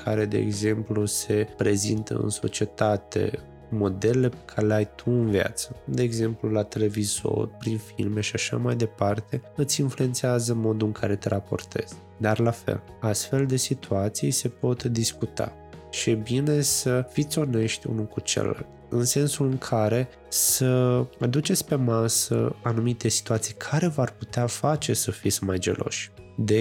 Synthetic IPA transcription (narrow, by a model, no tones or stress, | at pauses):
kʰaɾe̞d̪e̞̰ːɡze̞mpluse̞pɾe̞zḭnt̪ə̰ɨ̰nso̞̰t͡ʃie̞t̪at̪e̞̰ | mo̞d̪e̞lele̞pe̥kʰaɾeleajt̪ʰuɨnvija̰t̪səd̪e̞ːɡze̞mplulat̪e̞le̞vizo̞̰rpɾinfilme̞ʃiaʃa̰majd̪e̞part̪e̞ɨt̪sʲinflue̞nt̪seazəmo̞d̪uɨŋkʰaɾe̞t̪eɾʔapo̞̰rt̪e̞̰z̥ | d̪arlafe̞̰l | ast̪fe̞ld̪e̞sit̪ʰuat̪sijse̞po̞t̪d̪iskut̪a̰ | ʃiebine̞səfit̪sʲo̞ne̞ʃt̪ʲṵnukut͡ʃe̞̰la̰lt̪ɨnse̞nsulɨŋkʰaɾe̞ | səad̪ut͡ʃe̞t̪sʲpe̞masə̰anumit̪e̞si̥t̪uat̪sijkʰaɾe̞varput̪eafat͡ʃe̞səfit̪sʲmajd͡ʒe̞̰lʔo̞̰ʃʲd̪e